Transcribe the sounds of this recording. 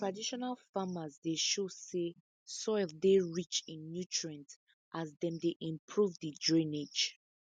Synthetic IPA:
tɹadiʃɔnalfamazdeʃose | sɔɪldeɹit͡ʃĩnːjutʰɹɛ̃nt | ʔazðɛ̃mdeʔĩmpʰɹuvdidɹĩned͡ʒ

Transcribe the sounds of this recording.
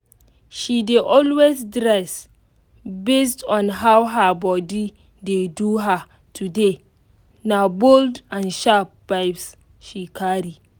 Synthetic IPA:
ʃideʔɔlwesdɾɛs | bestʰɔ̃nɦawɦabɔdi | deduɦa | tʰude | naboldãnʃap̚b̥aɪbs | ʃikʰaɹi

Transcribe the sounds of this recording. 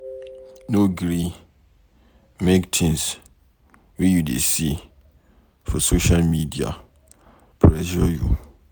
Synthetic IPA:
noɡɾi | mektʰĩns | wɛjudḛsi | fɔsoʃalmidia̰ | pʰɹɛʃɔjṵ

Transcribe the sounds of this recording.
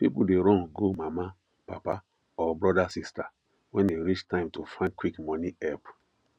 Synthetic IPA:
pipudeɾɔ̃ŋɡomama | pa̰pa̰ | ɔbɹɔdasista | wɛ̃ndeɾit͡ʃtãɪ̃mtufãɪ̃nkwikmɔniɛp

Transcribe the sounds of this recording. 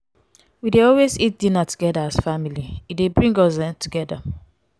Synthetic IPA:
wideɔlwezit̚dĩnatu̥ɡɛdaasfamiliidebɹĩŋɡɔsdɛ̃ntuɡɛda

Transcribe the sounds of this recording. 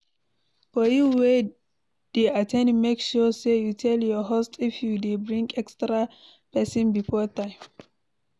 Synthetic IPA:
fɔjuwe | d̥eatʰɛ̃ndmekʃɔsejutʰɛljɔɦostʰifjudebɹĩŋɡɛkstɹa | pɛsɔ̃nbifɔtãɪ̃m

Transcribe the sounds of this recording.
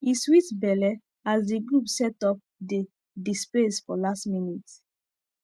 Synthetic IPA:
iswitbɛlɛ | azdiɡɹupsɛtɔp̚de | displesfɔlastminit

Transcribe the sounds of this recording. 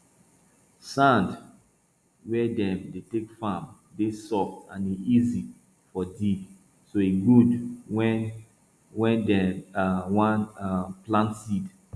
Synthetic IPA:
sãnd | wɛdɛ̃mdetekfam | desɔftãniʔizi | fɔdiɡ | soeɡudwɛn | wɛ̃ndɛ | wãnaplãntsid

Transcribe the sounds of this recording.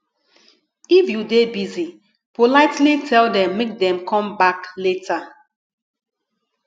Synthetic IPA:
ifjudebizi | polaɪtlitʰɛldɛ̃mːek̚dɛ̃mkʰɔ̃mbakleta

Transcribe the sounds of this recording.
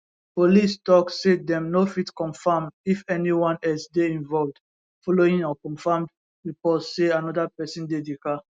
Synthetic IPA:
polistɔksːedɛ̃mnofitkɔ̃ɱfãmifɛniwɔ̃nɛlsdeĩɱvɔlvd | fɔloĩŋɔkɔ̃mfãmd | ipɔsːeanɔdapɛsĩndedeka

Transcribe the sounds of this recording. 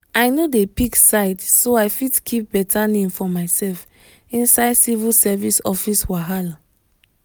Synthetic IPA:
aɪnodepiksaɪdsoajfidkʰip̚bɛtʰanĩmfɔmaɪsɛlf | ĩnsaɪdsivilsɛvisɔfiswaɦala

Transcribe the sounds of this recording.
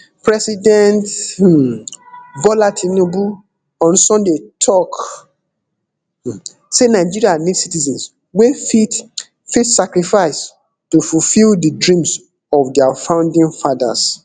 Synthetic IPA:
pɹɛsidɛ̃nt | vɔlatʰĩnobu | ɔ̃nsɔ̃ndetʰɔk | senaɪd͡ʒiɹianitsitizɛ̃ns | wefi | fitsakɹifaɪs | tofufildidɹĩms | ɔfdɛafãʊ̃ndĩnfada̰s

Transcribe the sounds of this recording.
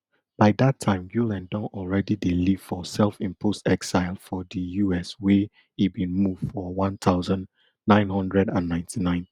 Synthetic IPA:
b̥aɪdatʰãɪ̃mɡjulɛ̃ndɔ̃nʔɔlˠɹɛdideliv̥fɔsɛlfĩmpʰostɛksaɪlˠfɔdəjuɛswɛ | ibĩnmuv̥fɔwɔ̃nt̪ʰaʊzãnː | ãɪ̃nɦʌ̃ndɹɛdãnːãɪ̃ntinãɪ̃n

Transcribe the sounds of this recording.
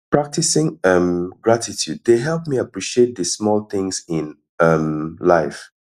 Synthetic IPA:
pɹak̚tisɪ̃ŋʌ̃mɡɹatitʰjud̚ðeɦɛlˠp̚miapɹiʃiet̚dəsmɔlθɪ̃ŋzɪ̃n | ʌ̃mlaɪf

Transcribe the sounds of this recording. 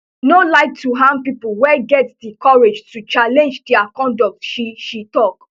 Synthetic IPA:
nolaɪk̚tuɦãm̚pipulwɛɡɛtsdikɔɹed͡ʒtut͡ʃalɛ̃nd͡ʒdɛakɔ̃ndɔk̚tʃiʃitɔk

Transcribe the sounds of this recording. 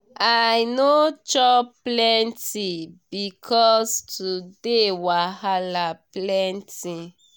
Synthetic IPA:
ajnot͡ʃɔplɛntibikʰɔstudewahalaplɛnti

